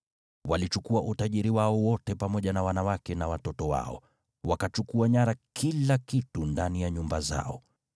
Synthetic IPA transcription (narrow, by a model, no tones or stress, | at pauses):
walit͡ʃukuaʔutaʄiɾiwaɔwɔtɛpamɔʄanawanawakɛnawatɔtɔwa̰ɔ̰ | wakat͡ʃukuaɲaɾakʰilakitundanijaɲumbaza̰ɔ